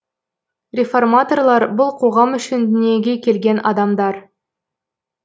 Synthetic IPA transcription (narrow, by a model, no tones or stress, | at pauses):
rʲe̞fo̞rmat̪o̞rlˠɑɾbʊlˠqʰo̞ʁɑmʏʃɪnd̪ɪne̞ɡʲekʲʰe̞lɡʲe̞nɑ̰d̪ɑmd̪ɑɾ